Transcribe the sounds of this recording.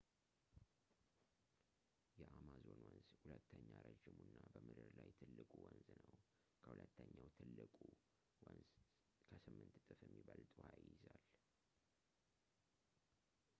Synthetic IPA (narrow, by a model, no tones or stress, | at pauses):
jɛʔamazo̞nwɔnzhulət̪ʰːəɲːaɾəd͡ʒɪmunːabəmɨd̪ɨɾlajt̪ʰɨlːɨkʼuwɔnznəw | kʰəhulət̪ːəɲːawt̪ʰɨlːɨkʼu | wənz | kʰəsɨmːɨnt̪t̪ʼɨfjɛmːiβəlt̪ʼuhajɪzal